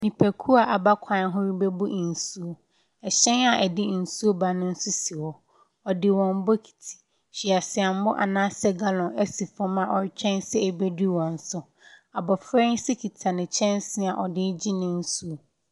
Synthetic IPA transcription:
nĩ˨pʰɛ˨kʰu˦a˨ʔa˨ba˦kʷʰã˨˦ɦʊ̃˦ɾi˦bɛ˦bʊ˦ʔn̩˨su˦o˦ | ɛ˨ɕɛ̃˦na˨ʔɛ˨dɪ˦n̩˨su˦o˦ba˨nʊ̃˦n̩˦sʊ˦si˨wɔ˨ | ɔ˨dɪ˨wɔ̃˨m˦bɔ˦kʰi̥˨tʰi̥˨ | ɕi˨a˨sɪ˨a˨m̩˦mʊ˦ʔa̰˨nãː˦sɛ˦ɡa˦lɔ̃˨nɛ˦si˨fɔ˦mã˨ʔɔ˨ɾt͡ɕᶣɛ̃˦nsɛ˦ɛ˨be˦di˦˨wɔ̃˨n̩˦sʊ˦ | a˨bɔ˨fɾɛ˦n˦sɪ˦kʰi˨tʰa˨nɪ̃˨t͡ɕʰɛ̃˦nsɪ˦a˨ʔɔ˨dɪ˦d͡ʑi˦nɪ̃˦n̩˦su˦o˦

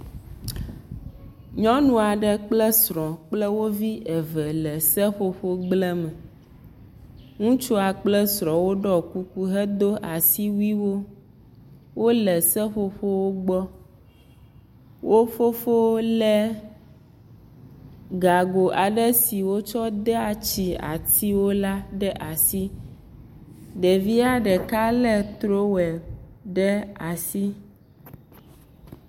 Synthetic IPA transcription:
ɲɔ̃˦nũ˨a˨ɖɛ˦k͡plɛ˦sɾɔ̃˨k͡plɛ˦wo˦vi˦ʔɛ˨vɛ˨lɛ˨sɛ˦ɸo˦ɸo˦ɡ͡blɛ˦mɛ˨ | ŋũ˦t͡ʃu˦a˨k͡plɛ˦sɾɔ̃˨wo˦ɖɔ˦ku˦ku˦ɦɛ˦d̪o˦ʔa˨si˦wu˦i˦wo˦ | wo˦lɛ˨sɛ˦ɸo˦ɸo˦wo˦ɡ͡bɔ˦ | wʔo˦fo˦fo˦lɛ˦ | ɡa˨ɡo˨ʔa˨ɖɛ˦si˨wo˦t͡ʃɔ˦d̪ɛ˦a˨t͡ʃi˨a̰˨t̪ʰi˦wo˦la˦ɖɛ˦ʔa˨si˦ | ɖɛ˨vi˦a˦ɖɛ˨ka˦lɛ˦t̪ɾo˦wɛ˨ɖɛ˦a˨si˦

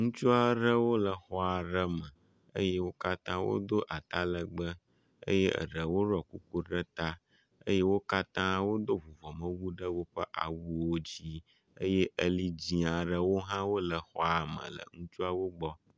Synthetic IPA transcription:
ŋũ˦t͡ʃu˦a˨ɖə˦wo˦lə˨xɔ˦a˨ɖə˦mə˨ | ə̰˦je˦wo˦ka˦t̪ã˦wo̰˦d̪o˦ʔa˨t̪a˦lə˨ɡ͡bə˦ | ə̰˦jɛ˦ʔə̰˨ɖə˨wo˦ɾɔ˨ku˦ku˦ɖə˦t̪a˦ | ə̰˦je˦wo˦ka˦t̪ã˦wo˦d̪o˦vu˨vɔ˨mə̃˦wu˦ɖə˦wo˦ɸə˦ʔa̰˨wu˦wo˦d͡ʑi˦ | ə̰˦je˦ʔə˨li˦d͡ʑi˦a˨ɖə˦wo˦ɦã˦wo˦lə˨xɔ̰˦a˨mə̰̃˨lə̰˨ŋũ˦t͡ʃu˦a˦wo˦ɡ͡bɔ˦

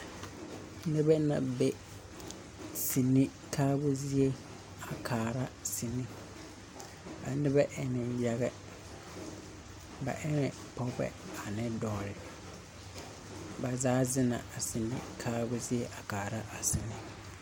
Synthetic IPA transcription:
nɪ˦bɛ˦nã̰˨bɛ˦ | si˨nĩ˦ | kʰaː˦bʊ˦zi˦e˦ | a˨kʰaː˨ɾa˦si˨nĩ˦ | a̰˨nɪ˦bɛ˦ʔɛ˨nɪ˨ja˨ɣɛ˦ | ba̰˨ʔɛ˦nɛ˨ | pʰɔ˦bɛ̰˨a˨nɪ˦dɔː˨ɾɪ˨ | ba˨zaː˦zɪ˦nã̰˨a˨si˨nḭ̃˦kʰaː˦bʊ˦zi˦e˦ʔa˨kaː˨ɾa˦ʔa˨si˨ni˦

